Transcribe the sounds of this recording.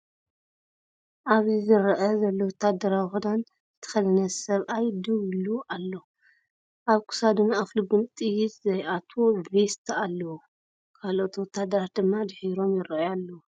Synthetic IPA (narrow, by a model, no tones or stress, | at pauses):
ʔaβizɨɾʔɐzɐlːowɔt̪ʰːad̪ɐɾawxud̪an | zɨt̪ʰɐ̥xɐlɐnɐsɐβʔajd̪ɨwiluʔalːo | ʔaβkʰu̥sad̪ɨmːaafluɡɨnt̪ʼɨjɪt̪zɐjʔat̪ʰobest̪ʰalːɐwu | kʰalʔo̞t̪wɔt̪ʰːad̪ɐɾad̪ɨmːad̪ɨħiɾo̞mjɪɾʔjalːɐwu